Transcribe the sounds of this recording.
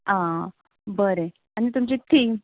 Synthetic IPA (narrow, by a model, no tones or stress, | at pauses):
ã | bəɾe | anit̪umt͡ɕet̪ʰiŋ